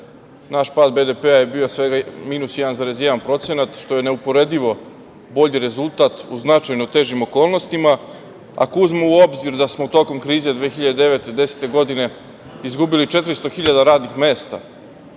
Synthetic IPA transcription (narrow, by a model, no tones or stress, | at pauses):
naʃpad̪̚be̞d̪e̞peaje̞biːo̞sʋe̞ɡamiːnusjɛd̪anzaɾezjed̪anpɾo̞t̪se̞nat̪ʃt̪o̞je̞ne̞upo̞ɾe̞d̪iʋo̞ | bo̞ʎiɾe̞zulˠt̪at̪uznat͡ʃajnot̪e̞ːʒimo̞ko̞ːlˠno̞st̪ima | a̰kusmouo̞bziɾd̪asmo̞t̪o̞ko̞mkɾiːze̞d̪ʋeːxiʎad̪ed̪e̞ʋet̪ed̪e̞se̥t̪e̞ɡo̞d̪ine̞ | izɡubilit͡ʃe̞t̪ɾist̪o̞xiʎad̪aɾaːd̪nixme̞ːst̪a̰